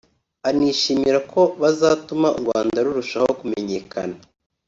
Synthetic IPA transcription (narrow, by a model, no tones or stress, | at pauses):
aniːʃiːmiɾako̞βazaːtumaṵɾɡwa̰ːndaɾuɾuʃahokume̞ɲe̞ːkʰa̰na